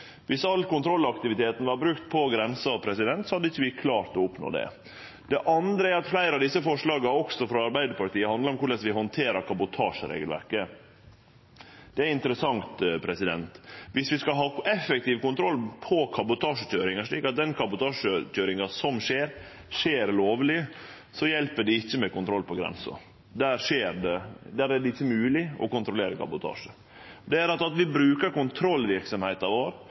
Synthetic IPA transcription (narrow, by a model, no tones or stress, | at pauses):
ʋɪsɑlːkʊnt̪ʰɾɔlːɑkt̪ɪʋɪt̪ʰeːt̪n̩ʋɑɾbɾʉkt̪pʰɔɡɾɛnsəɑʋpʰɾɛsɪd̪ɛnt̪sɔhɑd̪ːəɪçːəʋɪkʰlɑːɾt̪ɔʊpno̰ːd̪ɛ̰ | d̪̥ɛʔɑnd̪ɾəæɾɑt̪flæɪɾɑd̪ɪsːəfɔʂɭɑːɡɑɔksɔfɾɑɑɾbæɪd̪əɾpɑɾʈt̪iːəhɑnd̪ləɾɔmkʊɾɭɛsʋɪɦɔnt̪ʰeːɾɑɾkʰɑbʊt̪ʰɑːʂɾḛːɡəlʋæ̰ɾkə | d̪̥ɛæɪnt̪əɾəsɑŋt̪pʰɾɛsɪd̪ɛnt̪ʋɪsʋɪskɑɦɑːɛfɛk̚t̪iːʋkʊnt̪ʰɾɔlːpʰɔkʰɑbʊt̪ʰɑːʂəc͡çøːɾɪŋɑʂɭiːkɑt̪̚d̪ɛnkʰɑbʊt̪ɑːʂəc͡çøːɾɪŋɑsɔmʂeːɾ | ʂeːɾloːʋlɪ | sɔjɛlpəɖɪɪçːəmɛkʊnt̪ʰɾɔlːpʰɔɡɾɛ̰nsɔ̰ | d̪æːɾʂeːɾɖɛd̪æːɾæɖɛɪçːəmʉːlɪɔ̰kʊnt̪ɾʊleːɾəkʰɑ̰bʊt̪ʰɑ̰ːʂə | d̪ɛæɾɑt̪ɑt̪ʋɪbɾʉːkəɾkʊnt̪ʰɾɔlːʋɪɾksɔmhæɪt̪ɑʋoːɾ